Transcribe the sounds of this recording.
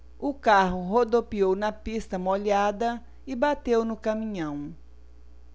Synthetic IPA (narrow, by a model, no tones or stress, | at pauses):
ʊkaɦʊɦod̪opiownɐpist̪ɐmoʎad̪ɐ | ɪbat̪ewnʊkɐmĩɲɐ̃w̃